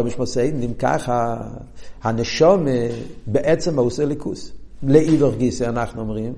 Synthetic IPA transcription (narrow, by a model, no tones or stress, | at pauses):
bmɪʃmɔseɪdn̩dɪmka̰χa | hanɛʃɔməbɪʔɛt͡sɛmoʊsɛlˠɪkʰṵslɪivəχɡisɪanaχnɔmʁim